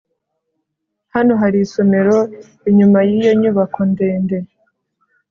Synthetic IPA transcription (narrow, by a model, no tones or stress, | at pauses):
hano̞ɦaɾiso̞me̞ɾo | iɲumajijo̞ɲuβakonde̞ːnde̞